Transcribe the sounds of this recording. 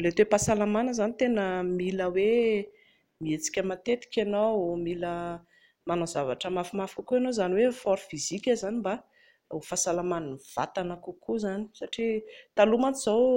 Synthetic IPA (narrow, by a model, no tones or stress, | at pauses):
let̪epasalamanəzanit̪enəmiləwe | miet͡si̥kʲəmat̪et̪i̥kʲanomilə | manozavaʈ͡ʂəmafumafi̥kəkuenozaniwefɔɾfizikʲəzaniba | ufasalamaninv̥a̰t̪anəkukʰuzani̥saʈ͡ʂit̪alumat͡siz̥aw